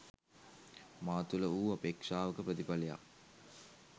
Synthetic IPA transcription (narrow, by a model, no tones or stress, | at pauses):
maːt̪uləuːapekʂaːʋəkəpɾət̪ipaleja̰k